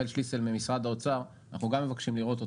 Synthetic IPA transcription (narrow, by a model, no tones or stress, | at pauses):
elʃliselmemisʁad̪aot͡saʁ | na̰χnuɡamːe̞vakʃimliʁo̞t̪o